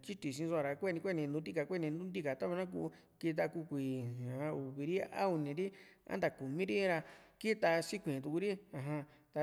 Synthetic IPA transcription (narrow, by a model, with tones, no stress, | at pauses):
t͡ʃi˦t̪i˨s̬ĩ˧so˧a˧ɾa˧kʷe˦˧ĩ˧kʷe˦˧nĩ˧nd̪ũ˧˦t̪i˦ka˨kʷe˦˧ĩ˧nd̪ũ˦nd̪i˦ka˨t̪a˦βa˧nã˦k̬ṵ˧˦ | ki˧t̪̬a˧ku˧kʷi˨ã˨ã˧u˨βi˧ɾi˦a̰˦u˧nĩ˧ɾi˦ã̰˦nd̪a˧˨ku˨mĩ˦ɾi˦ɾa˧ki˦t̪a˧si˦kʷĩ˨t̪u˧ku˧ɾi˦ã˧ɦã˧t̪a˧